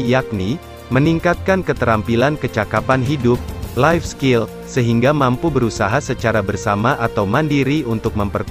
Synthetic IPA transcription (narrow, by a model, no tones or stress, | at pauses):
jak̚ni | məniŋkat̪̚kankət̪əɾampilankət͡ʃakapanɦidʊp̚lajfskil | səɦiŋɡamampubəɾusaɦasət͡ʃaɾabərsamaʔat̪awmandiɾiunt̪ʊk̚məmpərk